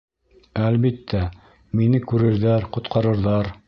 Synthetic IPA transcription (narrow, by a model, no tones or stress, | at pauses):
ælβit̪ʰːæ | minɘkʉɾɘ̆ɾðæɾqŏt̪̚qʰɑɾɤ̆ɾðɑɾ